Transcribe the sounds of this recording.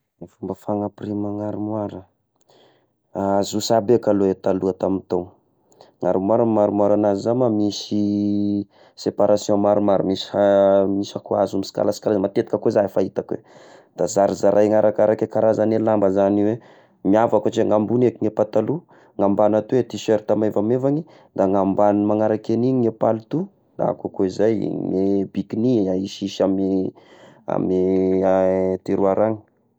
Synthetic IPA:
fumbəfaŋaprimaŋaɾimwaɾə | azusabekaloet̪aluat̪amint̪ow | ŋaɾimaɾamaɾimuaɾanazizamamisi | sepaɾasjɔ̃maɾumaɾamisamisakuazumisi̥ka̰lasi̥kalazmat̪et̪i̥kəkozaefait̪akwḛd̪̥azaɾizaɾʔajŋaɾakaɾakekaɾazanelambəzaniwe | miavakat͡ʃeŋambunekiŋepat̪alu | ŋambanat̪uwet̪iseɾt̪amevamevaŋi | ŋd̪aŋambanimaŋaɾakeniɲiŋepalut̪u | la̰kakoizaj̰ŋebikiniaiʃiʃami | a̰mi | t̪iɾuaɾaŋi̥

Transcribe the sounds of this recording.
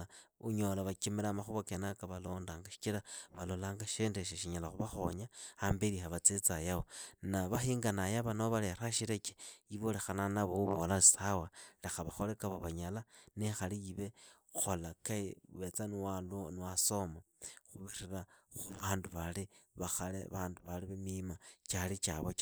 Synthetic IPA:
uɲo̞laβakimiɾamaxuβakenakaβaloːndaːŋɡaʃi̥t͡ʃiɾaβalo̞laːŋɡaʃendeʃ̬eʃiɲalaxuβaxo̞̰ɲaambeɾihaβat͡set͡sajawonaβaxiŋɡanajaβanoβaleɾaʃiɾeke̥jiβole̞xananaβouβolaisawalexaβaxolekaβoβaɲalanexalijiβe | xolakaiuβet͡saniwalunwaso̞maxuβiriraxuβaːnduβaliβaxalḛβaːnduβaliβemimat͡ʃalit͡ʃa̰βot͡ʃ

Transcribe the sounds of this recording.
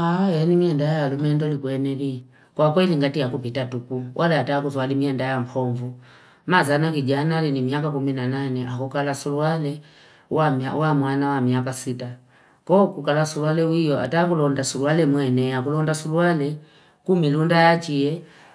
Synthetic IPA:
ajɛnimiɛndajajalumɛndɔlikwɛnɛli | kwakwɛliŋɡatijakupitatukuwʔalaataːkuzwalimiɛndajampʰɔɱvu | mazanakid͡ʒanalinimiakakuminananɛʔakukalasulualɛ | wamawamwanawamiakasita | kɔkukalasulualɛwijɔa̰takulɔndasulualɛmwɛnɛakulɔndasulualɛ | kumilundajat͡ʃiɛ

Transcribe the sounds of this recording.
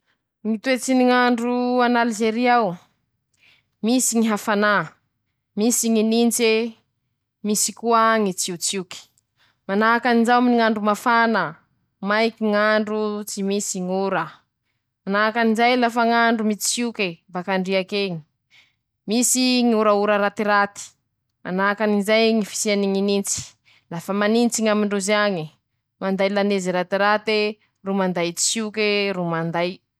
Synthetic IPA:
ŋit̪uet͡siniŋaɳɖ͡ʐuanalzeɾiaw | misiŋiɦafana | misiŋinint͡se | misikuaŋit͡siut͡suki̥ | manakanid͡ʒawminiŋaɳɖ͡ʐumafanə | majkiŋaɳɖ͡ʐut͡simisiŋuɾə | anakanizajlafəŋaɳɖ͡ʐumit͡si̥sukebakaɳɖ͡ʐiakeɲi̥ | misiŋuɾauɾəɾat̪iɾat̪i̥ | a̰nakanizajŋifi̥sianiŋinint͡si̥ | lafəmanint͡siŋamiɳɖ͡ʐuzaɲi | mand̪ajlaneziɾat̪iɾat̪e | rumand̪ajt͡si̥sukeɾumand̪aj

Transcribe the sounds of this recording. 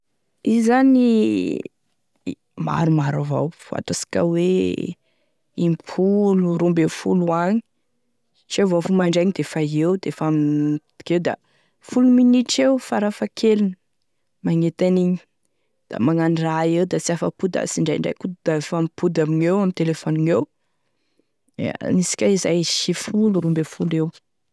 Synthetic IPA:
izani | ma̰ɾumaɾava̰wv̥a̰t̪asi̥ka̰we | impʰuluɾumbefuluaɲi̥ | t͡sevofumaɳɖ͡ʐajɲid̪efaewd̪efamt̪i̥kewd̪a̰ | fuluminiʈ͡ʂewfaɾafakʰelinə | maŋet̪aniɲi | d̪̥a̰maŋanraewd̪at͡siafə̰pud̪a̰siɳɖ͡ʐa̰jɳɖ͡ʐa̰jkud̪d̪̥afampʰud̪aminewamit̪elefoniew | nisi̥kʲaizajʃifuluɾumbefulew

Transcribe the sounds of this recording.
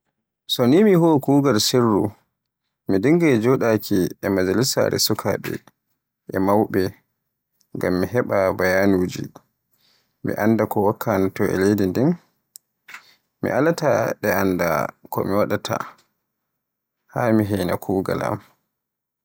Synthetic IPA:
sɔnimihokuːɡalsirːu | midiŋɡɛd͡ʒɔɗakʰiɛmad͡ʒalisa̰ɾɛ̰sukʰaɓɛ̰ | ʔɛmawɓɛ | ŋɡamːiɦɛɓabajanuːd͡ʒi | mḭʔandakɔwakʰːanatɔɛ̰lejdindin | mḭʔalataɗɛanda̰kɔ̰miwaɗatʰa̰ | haːmiɦɛjna̰kʰuːɡa̰la̰m

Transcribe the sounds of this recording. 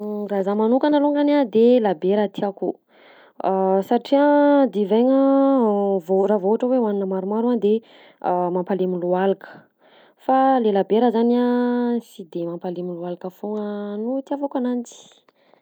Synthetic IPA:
razamanukanaluŋɡanad̪elabeɾat̪iaku | saʈ͡ʂiad̪ivajŋə | voravoaʈ͡ʂəwewaninəmaɾumaɾand̪e | mampalemilualakə̥ | falelabeɾəzaniasid̪emampalemilualakəfoŋənut̪iavokanand͡zi̥

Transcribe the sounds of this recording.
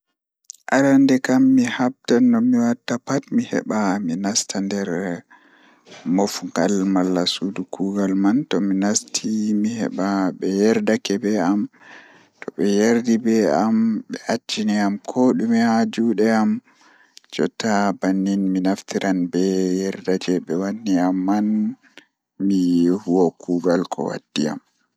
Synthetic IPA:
ʔaɾandɛkamːihab̚tanːɔmiwatːapatmihɛ̰ɓaminastʰandɛɾ | mofɡalmalːasudukuɡalmantɔminastʰimihɛ̰ɓaɓɛjɛɾdakɛbɛam | tɔɓɛjaɾdibɛamɓɛʔat͡ʃːiniamkʰoɗumihad͡ʒuːɗɛam | d͡ʒɔ̰tːabanːinminaftʰiɾʔanbɛjɛɾdad͡ʒɛɓɛwanːiamːan | mijhuwokʰuɡalkʰɔ̰wa̰d̥ːia̰m

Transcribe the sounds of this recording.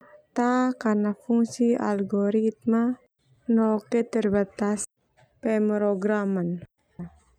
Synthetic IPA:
t̪akarnafuŋsia̰lɡɔɾit̪̚ma | nɔket̪ərbat̪as | pɛmɾoɡɾaman

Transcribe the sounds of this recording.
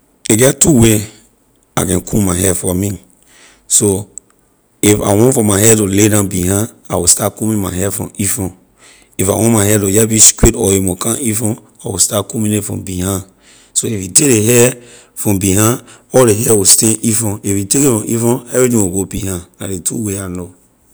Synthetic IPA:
eɡɛtuwe | akɛ̃nkʰumaɪɦɛfɔmĩ | so | ifa̰wɔ̃nfɔ̃maɦɛtoledãnbihã | awistatkumĩmaɦɛfɹɔ̰̃mifɔ̃n | ifawɔ̃nmaɪɦɛtojɛbiskwitɔimukʰãifɔ̃n | awistatkumĩnetfɹɔ̃mbihã | soifitedeɦɛ | fɹɔ̃mbiɦãɔldeɦɛwistɛ̃ifɔ̃ifjitekifɹɔ̃mifɔ̃nɛvɹitĩŋwiɡobihãna̰detṵweano

